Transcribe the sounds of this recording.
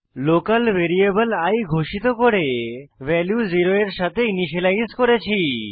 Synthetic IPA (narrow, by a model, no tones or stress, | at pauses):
lokalʋeɾiebəlajɡʱoʃit̪okoɾeʋɛljuziɾoeɾʃat̪ʰeiniʃelajskoɾet͡ɕʰi